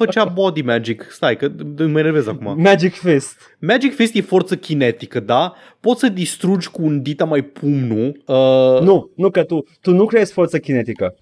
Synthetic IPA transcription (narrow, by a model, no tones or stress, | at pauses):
fət͡ʃabod̪imæd͡ʒikst̪ajkəməneɾvezakumamæd͡ʒikfest̪ | mæd͡ʒikfest̪jefort̪səkʲinet̪ikəd̪a | po̞t̪səd̪ist̪ɾud͡ʒʲkuːnd̪it̪amajpʰumnuənunukət̪ut̪unukɾeeʃt̪ʲfo̞rt̪səkʲinet̪ikə